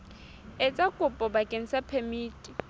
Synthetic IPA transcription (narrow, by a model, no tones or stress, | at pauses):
et͡sʼakʼʊpʼɔbakʼen̩sapʰemiːtʼi